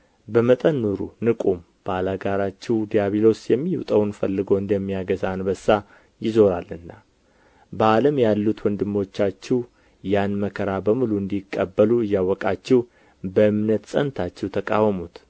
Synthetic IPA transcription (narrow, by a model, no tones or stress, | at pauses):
bəmət̪ʼənːuɾṵnɨkʼum | b̥alaɡaɾat͡ʃːɛwd̪ijaβilo̞sjɛmːiṵt̪ʼəwnfəlːɨɡoɨnd̪əmːijaɡəzanbəsːa | jɪzo̞ɾalɨnːa | bəaləmjalːut̪wɔnd̪ɨmːo̞t͡ʃːat͡ʃːɛw | janməkʰəɾabəmɨluɨnd̪ikʼːəbːəluɨjːawɔkʼat͡ʃːɛw | bəɨmnət̪sʼənt̪ʰat͡ʃːɛwt̪ʰəkʼawəmut̪